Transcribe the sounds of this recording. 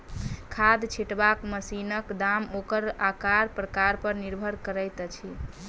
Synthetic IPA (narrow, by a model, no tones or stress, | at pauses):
kʰad̪t͡ʃʰiʈbakməsinəkd̪amokəɾakaɾpɾəkaɾpəɾniɾbʱəɾkəɾəjt̪t͡ʃʰi